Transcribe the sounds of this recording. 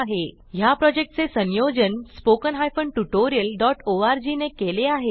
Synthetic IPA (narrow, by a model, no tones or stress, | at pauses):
aɦe | ɦjapɾɔd͡ʑek̚ʈ̚t͡sesənjod͡ʑənspokənɦajfəɳɖʈuʈoɾiəlɖɔʈoaɾd͡ʑinekeleaɦe